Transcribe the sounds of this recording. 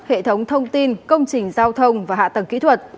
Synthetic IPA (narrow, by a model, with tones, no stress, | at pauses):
hḛ˧˨t̪ʰə˨˦wŋ͡mt̪ʰə˧wŋ͡mt̪i˧nkə˧wŋ͡mt͡ɕï˨˩ŋ̟zaː˧wt̪ʰə˧wŋ͡mvaː˨˩ha̰ː˧˨t̪ə˨˩ŋkḭ˧˥t̪ʰwə˨˩t̚